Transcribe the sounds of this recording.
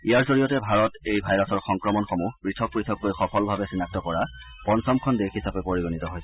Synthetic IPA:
ijaɹzoɹijɔtɛbʱaɹɔtejbʱajɹɔsɔɹxɔŋkɹɔmɔnxɔmubɹitʰɔk̚pɹitʰɔkːojxɔpʰɔlbʱabɛsinak̚tɔkɔɹa | pɔnsɔmkʰɔndexisapɛpoɹiɡonitɔɦojsɛ

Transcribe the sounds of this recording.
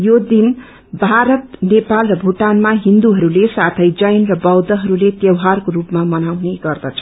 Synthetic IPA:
jod̪in | bʱaɾʌt̪nepalrʌbʱuʈanmaɦind̪uɦʌɾulesat̪ʰʌjd͡zʌjnrʌbʌwd̪ʌɦʌɾulet̪jʌwɦarkorupmamʌnawneɡʌrd̪ʌt͡sʰʌ̥

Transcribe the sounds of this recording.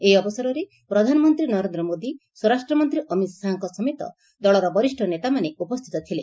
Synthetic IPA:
ejɔbɔsɔɾɔɾe | pɾɔd̪ʱanɔmɔnt̪ɾinɔɾend̪ɾɔmod̪i | swɔɾasʈɾɔmɔnt̪ɾiʔɔmit̪saɦɔŋkɔsɔmet̪ɔ̰ | d̪ɔɭɔɾɔbɔɾisʈʰɔnet̪amaneupɔst̪ʰi̥t̪ɔt̪ʰile

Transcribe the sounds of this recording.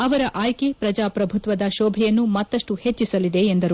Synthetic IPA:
ɐʋɐɾɐʔaːjkepɾɐd͡ʒaːpɾɐbʱut̪ʋɐd̪ɐʃɔːbʱɛjɐnːumɐt̪ːɐʂʈuhe̞t͡ʃːisɐlid̪e̞ːnd̪ɐɾu

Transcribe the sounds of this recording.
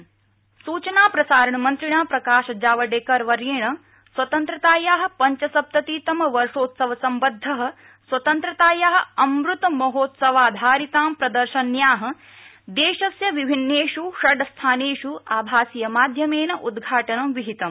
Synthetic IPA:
suːt͡ʃɐnaːpɾɐsaːɾɐɳɐmɐnt̪ɾiɳaːpɾɐkaːʃɐd͡ʒaːʋɐɖeːkɐɾʋɐɾjeːɳɐ | swɐt̪ɐnt̪ɾɐt̪aːjaːɦɐ̆pɐɲt͡ʃɐsɐp̚t̪ɐt̪iːt̪ɐmɐʋɐɾʂoːt̪sɐʋɐsɐmbɐd̪ʱːɐɦɐ̆ | swɐt̪ɐnt̪ɾɐt̪aːjaːɦɐ̆ɐmɾut̪ɐmɐɦoːt̪sɐʋaːd̪ʱaːɾit̪aːmpɾɐd̪ɐɾʃɐnjaːɦɐ̆ | d̪eːʃɐsjɐʋibʱinːeːʃuʃɐɖɐst̪ʰaːneːʂuaːbʱaːsijɐmaːd̪ʱjɐmeːnɐʔud̪ɡʱaːʈɐnɐmʋiɦit̪ɐm

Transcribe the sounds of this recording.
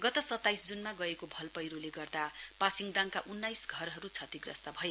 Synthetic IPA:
ɡʌt̪ʌsʌt̪ːajsd͡zunmaɡʌekobʱʌlpʌjɾoleɡʌrd̪apasiŋɡd̪aŋkaʔunːajsɡʱʌɾɦʌɾut͡sʰʌt̪iɡrʌ̰st̪abʱʌe

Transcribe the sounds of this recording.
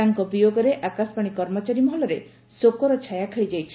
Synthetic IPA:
aŋkɔpijoɡɔɾeʔakasɔ̥paɽ̃ikɔɾmɔt͡ʃaɾimɔɦɔlɔɾe | sokɔɾɔt͡ʃʰajakʰeɭid͡ʒajt͡ʃʰi̥

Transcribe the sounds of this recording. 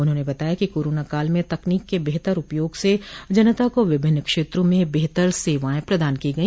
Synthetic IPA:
ʊnɦõːnebɐt̪aːjakikoːɾoːnakaːlmẽt̪ɐkniːkːebeɦt̪əɾʊpjoːɡsed͡ʒɐnət̪akoʋɪbʱɪnːkʃeːt̪ɾõmẽbeɦt̪əɾseːʋãːẽpɾɐd̪aːnkiɡɐi

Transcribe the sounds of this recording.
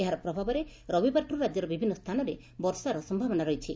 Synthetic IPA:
eɦaɾɔpɾɔbʱabɔɾe | ɾɔbibaɾʈuɾad͡ʒjɔɾɔbibʱinːɔst̪ʰanɔɾe | bɔɾsaɾɔsɔmbʱabɔnaɾɔjt͡ʃʰi

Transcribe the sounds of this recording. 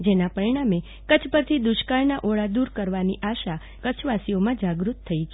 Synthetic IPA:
d͡ʒenapəɾiɽ̃ame | kət͡ʃʰpəɾt̪ʰid̪ʊʃkaɾnaʔoɭad̪uɾkəɾʋaniʔaʃa | kət͡ʃʰʋasiomãd͡ʒaɡɾut̪ʰːəit͡ʃʰ

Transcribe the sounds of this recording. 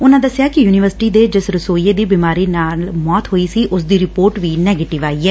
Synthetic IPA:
ʊnãːd̪əsjaːkɪjuːnɪʋəɾsɪ̥ʈiːd̪eːd͡ʒɪsɾəsoːieːd̪iːbiːmaːɾiːnaːlmɔːt̪ɦoːiːsiːʔʊsd̪iːɾɪpoːɾʈʋiːnɛːɡeːʈɪʋaːiːɛː

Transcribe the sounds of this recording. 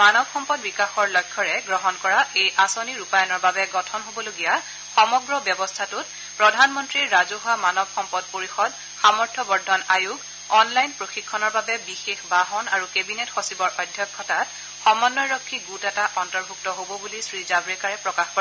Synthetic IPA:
manɔbxɔmpɔdbikaxɔɹlɔjkʰːɔɹɛɡɹɔɦɔnkɔɹaejʔasoniɹupajɔnɔɹbabɛɡɔtʰɔnɦobɔloɡija | xɔmɔɡɹɔbjɔbɔstʰatʊt | pɹɔdʱanmɔntɹiɹːazoɦamanɔbxɔmpɔd̚poɹixɔd | xamɔɹtʰɔbɔɹdʱɔnajuɡ | ɔnlajnpɹoxikʰːɔnɔɹbabɛbixexbaɦɔnaɹukebinetxosibɔɹʔɔdʱjɔkʰːɔtat | xɔmɔnːɔjɹɔkʰːiɡutɛtaʔɔntɔɹbʱuktɔɦobɔbulisɹizabɹɛkaɹɛpɹɔkaxkɔ

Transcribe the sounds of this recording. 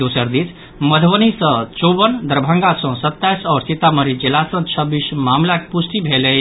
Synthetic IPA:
usəɾd̪it͡sʰ | məd̪ʱbənisə̃t͡ʃobənd̪əɾbʱãŋɡasɔ̃sət̪ːajsɔːɾsit̪aməɾid͡ʒilasə̃t͡ʃʰəbismamlak̚pusʈ̪ibʱele

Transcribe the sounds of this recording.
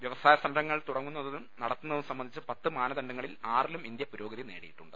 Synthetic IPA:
ʋjɐʋɐsaːjɐsɐmɐɾɐŋːɐɭt̪uɽɐŋːunːɐðɐðumnɐɽɐt̪ːunːɐðimsɐmbɐnd̪it͡ɕːɨpɐt̪ːɨmaːnɐðɐɳɖɐŋːɐɭilaːrilumind̪jɐpuɾo̞ːɡɐðineːɽijiʈːuɳɖɨ

